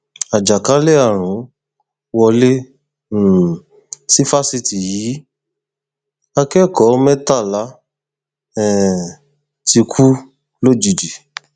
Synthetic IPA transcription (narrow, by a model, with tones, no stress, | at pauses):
a˨d͡ʒa˨ka˨˦le˦a˦˨ɾ̃ũ˨˦ | wɔ˧le˦˨ | si˦fa˦si˧ti˨jiː˨˦ | a˧kɛ˦˨kɔ˨˦mɛ˦ta˦˨la˨˦ | ɛ˦˨ | ti˧kʰu˦ | lo˦˨d͡ʒu˨d͡ʒi˨